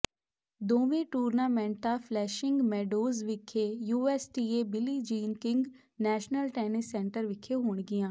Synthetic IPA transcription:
d̪oːʋẽʈuːɾnaːmɛ̃ːɳʈafʰlɛːʃɪ̃ŋɡmɛːɖoːzʋɪkʰːejuːɛːsʈiːebɪlid͡ʒiːnkɪ̃ŋɡ | nɛːʃnəlʈɛːnɪsːɛ̃ːɳʈəɾʋɪkʰeɦoːɳɡɪjãː

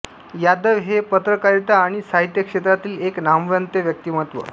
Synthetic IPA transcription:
jad̪əʋɦepət̪ɾəkaɾt̪aːɽ̃isaɦit̪jəkʂet̪ɾat̪iːleknamʋənt̪eʋjək̚t̪iːməət̪ʋə̰

